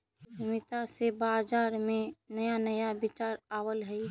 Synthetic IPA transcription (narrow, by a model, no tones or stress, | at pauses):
mɪt̪asebaːd͡ʒaːɾmẽnəjanəjabɪt͡ʃaːɾaːwəlɦɛi